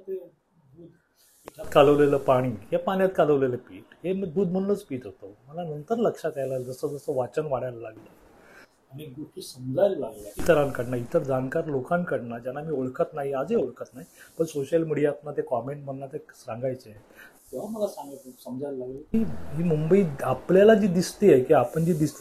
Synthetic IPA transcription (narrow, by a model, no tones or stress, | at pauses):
t̪e | ud̪ | at̪kaləʋleləːpaɽ̃iːɦepaɳ̃jat̪̚kaləʋleləːpiːʈɦemid̪uːd̪̚m̤ənũnət͡spiːʈɦot̪oməlanənt̪əɾləkʂak̪ajlad͡zəsəd͡zəsəːʋat͡ɕənʋaɽjajlalaɡlə | aniɡuʈʰiːsəmd͡zʱajllaɡlait̪əɾankəɽnait̪əɾd͡zankaɾlokãnkəɽnad͡ʑjanːamiːoɭkʰət̪naɦiad͡zeoɭkʰət̪naɦipəɳsoɕəlmiɽijat̪̚nat̪ekɔmeɳʈm̤ənnːat̪esãŋɡajt͡see | t̪eʋaməlasãŋɡat̪esəmd͡zajllaɡəimiːmumbəiːapljalad͡ʑiːd̪ist̪iajkiapəɳd͡ʑiːd̪ist̪